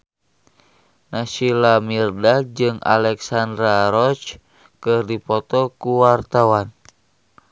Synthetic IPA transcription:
nasilamirdad͡ʒɨŋa̰lɛksand̪ɾaɾɔt͡ʃ | kɨrdipɔt̪ɔkuwart̪awan

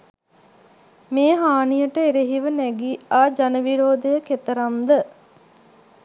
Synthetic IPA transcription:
meːɦaːnijəʈəeɾeɦiʋənæɡiaːd͡ʒanəʋiɾoːd̪əjəket̪əɾamd̪ə

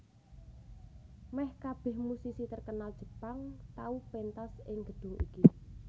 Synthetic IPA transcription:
mɛhkab̥ɛ̤hmusisit̪ərkənald̥ʒ̥ə̤̥paŋt̪aupent̪asɪŋɡ̥ə̤d̪̥ʊ̤ŋʔḭki

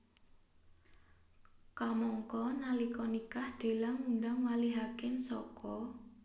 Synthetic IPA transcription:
kamɔŋkɔnalikɔnikahd̪̥e̤laŋuɳɖaŋwaliɦakɪnsɔkɔ

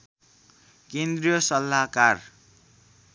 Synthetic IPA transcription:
kend̪rijʌsʌlːakar

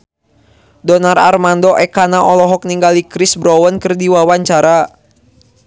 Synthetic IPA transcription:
dɔnara̰rmandɔʔɛkanaʔɔlɔɦɔk̚niŋɡalikɾɪsbɾɔwənkərdiwawaɲt͡ʃaɾa

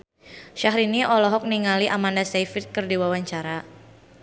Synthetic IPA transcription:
ʃaɦɾiniʔɔlɔɦɔk̚niŋaliʔamandasejfit̪̚kɨrdiwawaɲt͡ʃaɾa

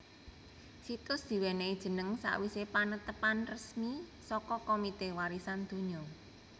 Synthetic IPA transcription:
sit̪ʊsd̪̥i̤wɛneid̥ʒ̥ə̤nəŋsa̰ʔwisepanət̪əpanrəsmisɔkɔkomit̪ewaɾisand̪̥o̤ɲɔ

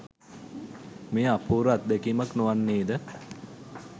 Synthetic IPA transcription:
meːapuːɾuat̪̚d̪ɛkiːmaknuʋanːeːd̪ə

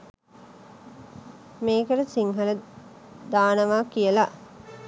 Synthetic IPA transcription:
meːkəɾəsiŋɦɐlə | d̪aːnəʋaːkijəla

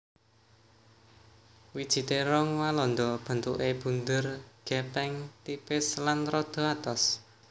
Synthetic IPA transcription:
wid̥ʒ̥i̤t̪eɾɔŋwalɔnd̪ɔb̥ə̤nt̪ṵʔeb̥ṳnd̪ʊrɡ̥ɛpɛŋt̪ipɪslanrɔd̪̥o̤at̪ɔs

